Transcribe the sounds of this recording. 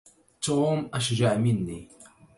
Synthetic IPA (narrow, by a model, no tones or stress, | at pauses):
t̪oːmʔaʃd͡ʒaʕmɪnːi